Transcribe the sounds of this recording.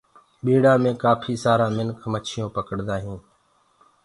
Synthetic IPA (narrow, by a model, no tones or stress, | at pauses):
ɓiːɽaːmẽːkaːpʰiːsaːɾãːmɪnkʰmət͡ʃʰɪjõːpəkəɽd̪aːɦĩː